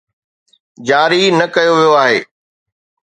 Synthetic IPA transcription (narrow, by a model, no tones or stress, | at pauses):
d͡ʑaːɾinɐkɐjoʋijoaːɦḛː